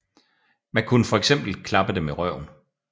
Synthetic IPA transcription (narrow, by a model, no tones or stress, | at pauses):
mænkʰunəfɒ̽eɡ̥sem̰b̥l̩kʰlɑ̈b̥əd̥emeʁɶʊ̰n